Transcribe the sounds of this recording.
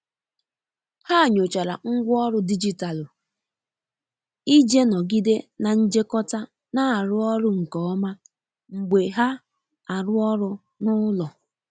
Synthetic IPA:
ha˦˨ɲo˨t͡ʃa˨ɾa˨ŋ̩˦ɡʷʊ˦ɔ˦ɾʊ˦di˦d͡ʒi˦ta˨lʊ˨ | i˦d͡ʒe˦nɔ˨ɡi˦de˦na˨n̩˦d͡ʒe˦kɔ˦ta˦ | na˦˨ɾʊ˦ɔ˦ɾʊ˦ŋ̩˨kɔ˨˦ma˦ | ŋ͡m̩˨ɡ͡be˨ɦa˦ | a˨ɾʊ˦ɔ˦ɾʊ˦ | nʊ˦lɔ˨

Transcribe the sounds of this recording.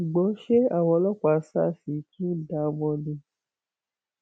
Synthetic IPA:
u˨ɡ͡bɔ˨˦ʃe˦a˦˨w̃ɔ̃˧˦lɔ˦kʷa˨˧˦sa˦˨si˨˦ki˦o˦da˨˦bɔ̃˧nĩ˧˦

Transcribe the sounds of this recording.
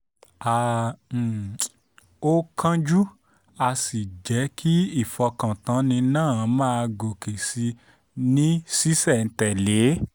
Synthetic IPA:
a˨ | o˦kʰã˦d͡ʒu˦ | a˧si˨d͡ʒɛ˨˦kʰi˦i˦˨fɔ˧kã˨tã˨˦nĩ˧nãː˦˨˧mãː˦˧ɡo˨ke˨si˧ | nĩ˦si˦sɛ˦˨n̩˨tɛ˨le˨˦

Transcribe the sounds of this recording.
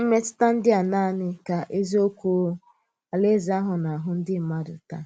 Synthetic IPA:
m̩˦me˦tɪ̥˦ta˦n̩˦dɪ˦a˨na˦˨nɪ˦ka˨ʔe˦zi˦o˦kʷu˦ | a˨le˦zi˨a˦ɦʊ˨na˨ɦʊ˨n̩˦dɪ˦˨ma˦dʊ̰˨ta̰˦

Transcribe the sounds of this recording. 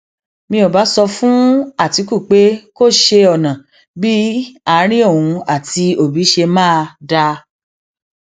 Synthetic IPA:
mĩ˧o˨ba˨˦sɔ˧fũ˦a˦˨ti˨˧ku˦˨k͡pe˨˦ko˦˨ʃe˧ɔ˨nã˨ | bi˦a˧˦ɾ̃ĩ˦õ˦˨ũ˧a˦˨ti˧o˦˨bi˨˦ʃe˧mãː˦˧da˧

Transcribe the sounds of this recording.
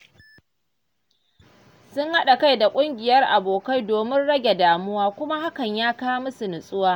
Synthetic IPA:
sʊ˦ŋha˦ɗa˨ka˦jda˨kʷʼʊ˦ŋɡʲɪ˨jɐ˦rʔa˨boː˨ka˦jdoː˨mɪ˦nɽɐ˦ɡʲe˨daː˨mʊ˦waː˦kʷʊ˦ma˦ha˦kɐ˨ɲjaː˦kaː˦mʊ˦su˨nʊ˨sʼʊ˦waː˦

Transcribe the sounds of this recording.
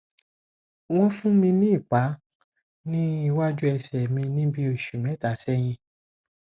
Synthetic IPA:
w̃ɔ̃˦fũ˦mĩ˧nĩ˦i˦˨k͡pa˨˦ | nĩ˦i˦˧wa˦d͡ʒu˦ɛ˧sɛ˨mĩ˧nĩ˦bi˦o˦˨ʃu˨mɛ̃˨˦ta˨˦sɛ˦j̃ĩ˧

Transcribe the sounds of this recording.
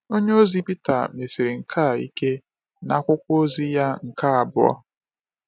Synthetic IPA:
o˦ɲe˦o˦zi˦pi˦ta̰˨me˨si˨ɾi˨ŋ̩˨kʰa˦˨ḭ˦ke˦ | na˦kʷʊ˦kʷo˦zi˦ja˦ŋ̩˨ka˦a˨bʊ̰˦ɔ̰˦

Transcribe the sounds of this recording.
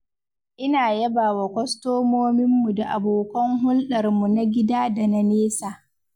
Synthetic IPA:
ʔɪ˦naː˨jɐ˦baː˨wa˨kʷɔ˦stoː˦moː˦mɪ˦mːu˨da˨ʔa˨boː˨kɐ˦ŋɦʊ˦lɗɐ˨rmu˨na˦ɡʲɪ˦daː˦da˨na˨neː˦saː˨

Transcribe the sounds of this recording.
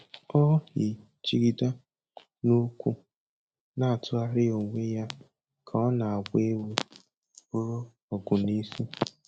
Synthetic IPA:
ɔ˦hɪ˨ | t͡ʃi˦ɡi˦da˦ | no˦kʷu˦ | na˨a˨tʊ˦a˦ɾɪ˦o˨ŋʷe˦ja˦ | kʰa˨ɔ˦na˨a˨ɡʷe˦we˦ | o˦ɾo˦ | ɔ˨ɡʊ˨ni˦si˦

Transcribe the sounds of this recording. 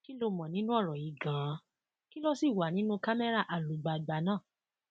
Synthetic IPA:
ki˦lo˧˨mɔ̃˨nĩ˦nũ˦ɔ˦˨ɾɔ˨i˨ɡã˨˦ | ki˦lɔ˦si˦˨wa˨nĩ˦nũ˦ka˦mɛ˦ɾa˦˨ʔa˨lu˨˦ɡ͡ba˨ɡ͡ba˨˦nãː˦˨

